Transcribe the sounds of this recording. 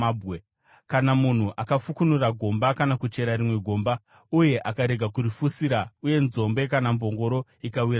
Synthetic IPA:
bwe | kanamun̤uʔakafukunuraɡʱo̞mbakanakut͡ʃe̞ɾaɾimwe̞ɡʱo̞mba | uje̞ʔakaɾe̞ɡʱakuɾifusiɾauje̞nzo̞mbe̞kanambo̞ŋɡo̞ɾo̞ikawiɾa

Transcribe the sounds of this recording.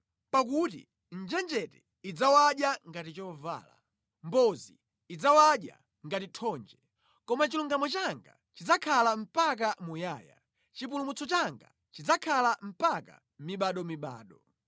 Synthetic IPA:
pakutḭ | n̩d͡ʒɛnd͡ʒɛtɛ | id͡zawaɗjaŋɡatit͡ʃɔva̰ːla̰ | mbɔziː | d͡zawaɗja̰ | ŋɡatitʰɔnd͡ʒɛ | kɔmat͡ʃiluŋɡamɔt͡ʃaŋɡa̰ | t͡ʃid͡zakʰalam̩pak̬amujaːja̰ | t͡ʃip̬ulumut͡sɔt͡ʃaŋɡa̰ | t͡ʃid͡zakʰalam̩paka̰ | miɓaɗɔmiɓa̰ːɗɔ

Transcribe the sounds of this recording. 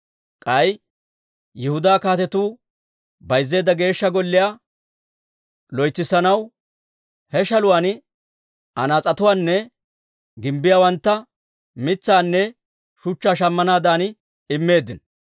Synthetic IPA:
kʼɐj | jɛhʊd̪aːkaːt̪ɛt̪uː | bɐjzːe̞ːd̪ːɐɡe̞ːʃːɐɡɔlːɪjaː | lɔjt͡sːɪsɐnɐw | hɛʃɐlʊwaːn | ʔɐnaːt͡sʼɐt̪ʊwaːnːɛ | ɡɪmbɪjaːwɐnt̪ːɐ | mɪt͡sːaːnːɛ | ʃʊt͡ʃːaːʃ̬ɐmːɐnaːd̪aːn | ɪmːe̞ːd̪ːɪn

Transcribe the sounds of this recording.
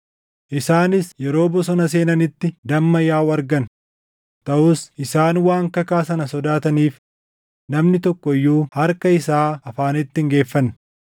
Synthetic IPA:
ʔɪsaːnɪsjɛɾo̞ːbɔsɔnɐs̬e̞ːnɐnɪt̪ːɪd̪ɐmːɐjaːwɐɾɡɐn | t̪ɐʔʊsʔɪsaːnwaːŋkɐkaːsɐnɐsɔd̪aːt̪ɐniːf | nɐmnɪt̪ɔkːɔɪjːuːhɐɾkɐɪsaːɐfaːnɪt̪ːɪŋɡe̞ːfːɐnː

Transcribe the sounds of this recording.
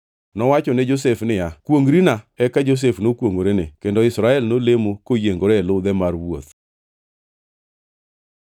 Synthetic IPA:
nɔwat͡ʃɔnɛd͡ʒos̬efnɪjakwoŋɡɾinaɛkad͡ʒos̬efnokwoŋɡoɾenɪkendɔɪsɾaɛlnolemokojeŋɡoɾɛɛlʊd̪ɛmarwo̰t̪

